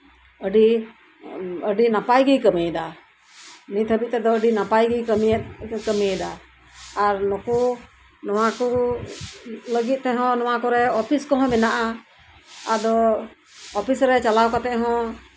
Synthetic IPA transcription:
əɖi | əɖinapajɡijkəmɛɛd̪a | nit̪ʰəbit̪̚t̪ɛd̪ɔəɖinapajɡijkəmiɛt̪kəmɛɛd̪aː | ɾnɔku | nɔwakɔ | ləɡit̪̚ˀt̪ɛɦɔ̃nɔwakɔɾɛɔpʰiskɔɦɔ̃mɛnaʔa | ad̪ɔ | ɔpʰisɾɛt͡ʃalawkat̪ɛʔɦɔ̃

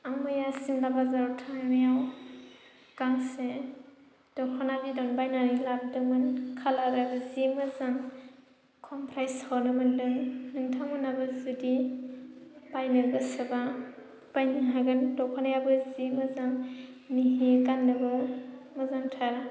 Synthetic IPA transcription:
amɯjasimlabazaɾwtʰanajaw | kaŋse | d̥ɔkʰɔnabidɔnbajnaɾilab̚dɯmɯnkʰalaɾabɯzimazaŋ | kʰɔmpʰɾajshawnɯmɯndɯŋnɯŋtʰaŋmɯnabazudi | bajnalbɯsɯba | b̥ajniŋɦaɡɯndɔkʰɔnajabɯzimɯzaŋ | niɦikandɯbɯmazaŋtʰaɾ

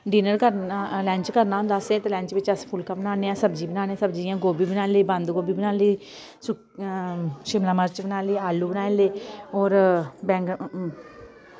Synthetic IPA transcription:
ɖiːnəɾkəɾalɛ̃ːɲt͡ʃkəɾnaːɦʊ̃nd̪aːsɛːt̪eːlɛ̃ːɲt͡ʃʋɪt͡ʃəspʰʊlkaːbənaːneːãːsəbd͡ʒiːbənaːneːsəbd͡ʒijãːɡoːbiːbənaːliːbə̃nd̪ɡoːbiːbənaːliː | sʊ | ʃɪmlaːməɾt͡ʃbənaːliːaːlːuːbənaːleːɔːɾbɛ̃ːŋɡ

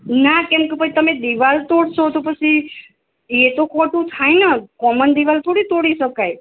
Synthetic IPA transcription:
nakɛmkepət͡ʃʰit̪əmed̪iʋalt̪oɽʃot̪opət͡ʃʰi | et̪okʰɔʈũt̪ʰajnəkɔmənd̪iʋalt̪ʰoɽit̪oɽiʃəkaj

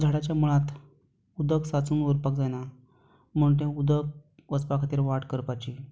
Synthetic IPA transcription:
d͡zʱaɽat͡ɕjamuɭãt̪ | ud̪əksat͡suːnʋəɾpak̚d͡zajna | m̤əɳʈ̪̬ẽud̪ək̚ʋət͡spakʰat̪iːɾʋaʈkəɾpat͡ɕi

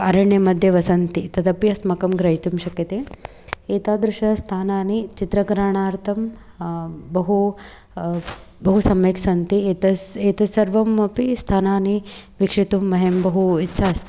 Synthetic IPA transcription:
ɐɾɐɳjemɐd̪ʱjɐʋɐsɐnt̪it̪ɐd̪ɐpjɐsmɐkɐmɡɾɐɦit̪umʃɐkjɐt̪e | eːt̪aːd̪ɾuʂɐst̪ʰaːnaːnit͡ʃit̪ɾɐɡɾaːɳaːɾt̪ʰɐm | bɐɦu | bɐɦusɐmʋeːksɐnt̪it̪ɐeːt̪ɐsɐɾʋɐmɐpist̪ʰaːnaːniʋikʂit̪umːɐɦembɐɦuitːʃʰaːs

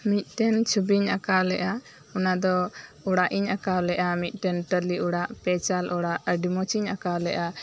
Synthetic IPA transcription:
mit̪̚ˀʈɛnt͡ʃʰubiɲakalɛʔa | ɔnad̪ɔuɽaʔiɲakawlɛʔamit̪̚ˀʈɛnʈəliuɽaʔpɛt͡ʃalʔɔɽaʔɖimɔt͡ʃiɲakalɛʔa

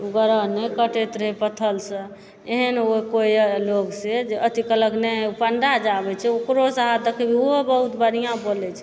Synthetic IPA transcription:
uɡəɾənekəʈet̪ɾəɦepət̪ʰəlsə̃ | eɦənokoiloɡsed͡ʒeət̪ikələknɛupəɳɖad͡ʒabɛt͡ʃʰɛokɾosəɦad̪əkʰebʱiobəɦut̪bəɾijãbolɛt͡ʃʰɛ̥

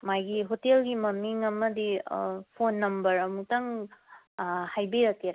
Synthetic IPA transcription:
majɡiɦotelɡimɐmiŋɐmɐdipʰonːɐmbɐɾɐmutɐŋ | hajbeɾɐkteɾa

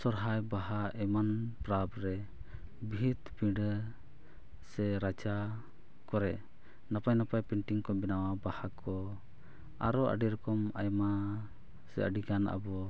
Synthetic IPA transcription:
sɔɾɦajbaɦaʔɛmanpɾabɾɛ | bʱit̪pĩɖə | sɛɾat͡ʃa | kɔɾɛ | napajnapajpɛɳʈiŋkɔbɛnawabahakʰɔ | aɾɔə̰ɖiɾɔkɔmajma | sɛ̰ə̰ɖikana̰bɔ

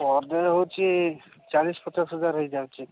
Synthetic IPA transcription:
pɔɾd̪ɔɦot͡ʃʰi | t͡ʃalispɔt͡ʃasɦəd͡ʒaɾɦəjd͡ʒawt͡ʃʰi

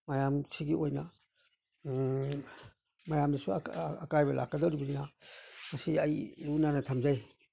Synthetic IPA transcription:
majamsʰiɡiojna | majamdisṵakajbɐlʔa̰k̚ːɐdaɾibininamɐsiajlunanɐtʰɐmzaj

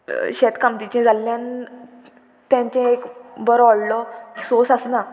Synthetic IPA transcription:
ɕet̪kamt̪it͡ɕɛ̃d͡zʱalːjãn | t̪jãɲt͡ɕɛ̃ekbəɾɔɭlɔsosasna

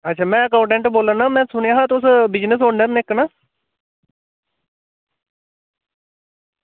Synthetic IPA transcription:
ətːʃʰaːmɛ̃ːəkaːʊɳʈɛ̃ɳʈboːlənːãːmɛ̃ːsʊneaːɦãːt̪ʊsbɪd͡ʒnəsoːɳəɾneknaː

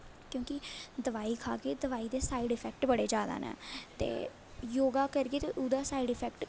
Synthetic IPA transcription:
kjõːkɪd̪əʋaːiːkʰa̰ːkeːd̪əʋaːiːd̪eːsaːiːɖɪpʰɛːkʈbəɽeːd͡ʒaːd̪a̰ːnɛ̰ːt̪ḛː | joːɡaːkəɾɡeːt̪eːʔʊd̪aːsaːiɖɪpʰɛːkʈ

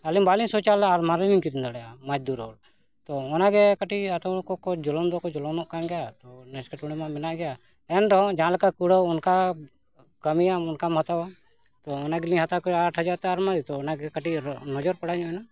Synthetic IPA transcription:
alimbalinsɔt͡ʃalaɾmaɾiliŋkiɾind̪ɔɽɛjamad͡ʒd̪uɾɔ̰l | t̪ɔɔnaɡɛkəʈiat̪ɔkɔkɔd͡ʒɔlɔnd̪ɔkɔd͡ʒɔlɔnɔʔkanɡɛjat̪ɔnɛskɛʈuɽ̃ɛmãmɛnaʔɡɛja | ɛnɖɔɦɔ̃d͡ʒãlakakuɽɔɔnka | kəmijaɔnkamɦat̪awa | t̪ɔɔnaɡilĩɦat̪akɔaʈʰɦəd͡ʒaɾt̪ɛaɾmaɾit̪ɔːnaɡɛkəʈinɔd͡ʒɔɾpɔɽad͡ʒɔ̃ɛna

